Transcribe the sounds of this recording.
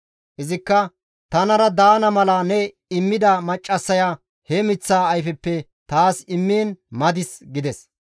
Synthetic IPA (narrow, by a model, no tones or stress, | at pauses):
ʔɪzɪkːɐ | t̪ɐnɐɾɐd̪aːnɐmɐlanɛ | ɪmːɪd̪ɐmɐt͡ʃʼːɐsːɐjaː | hɛmɪt͡sːaːjfɛpːɛ | t̪aːsɪmːiːnmɐd̪ɪsɡɪd̪ɛs